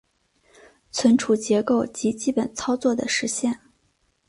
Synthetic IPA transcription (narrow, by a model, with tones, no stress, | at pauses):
t͡sʰwə˧˥nʈ͡ʂʰu˨˩t͡ɕjɛ˧˥ko˥˩ʊt͡ɕi˧˥t͡ɕi˥pə˨˩nt͡sʰɑ˥ʊt͡swɔ˥˩d̪ə˩ʂɻ̩˧˥ɕjɛ˥˩n